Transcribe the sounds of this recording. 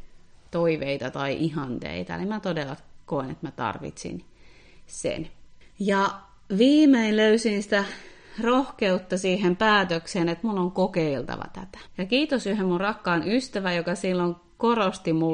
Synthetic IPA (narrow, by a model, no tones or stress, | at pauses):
t̪oiʋeit̪ɑt̪ɑiʔihɑnt̪ḛit̪ɑ̰limæt̪odelːɑkoˑinḛt̪mæt̪ɑ̰rʋḭt̪sḭn | sḛnjɑ | ʋiːmeinløysinsi̥t̪ærohkeut̪ːɑsiːhempæːt̪økseːnet̪munːoŋkokeilt̪ɑ̰ʋɑ̰t̪æt̪æ̥jɑkiːt̪osyhemmurrɑkːɑːnyst̪æʋæjokɑsilːoŋ | korost̪imu